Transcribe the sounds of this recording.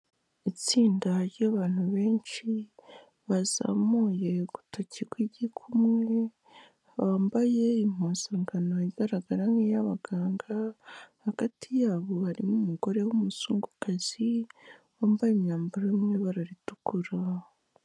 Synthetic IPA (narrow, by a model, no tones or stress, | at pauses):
it͡siːndaɾɟaβaːn̥huβe̞ːnt͡ʃi | βaza̰muje̞ɡ̥u̥tʰacikwiɟikʰumŋwe̞ | βaːmbaje̞im̥oːzaːŋɡano̞iɡaɾaɡaɾaŋijaβaɡ̥aːŋɡahaɡ̥atʰijaːβo̞haɾimumuɡo̞ɾe̞wumusuːŋɡukaz̥iwaːmbajimɲaːmbaɾimŋe̞βaɾaɾitu̥kuɾa